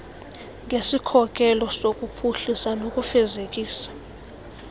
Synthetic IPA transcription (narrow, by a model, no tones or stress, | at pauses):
ŋesikʰɔkʼɛlɔsokʼupʰuɬisanokʼufɛzekʼiːsḁ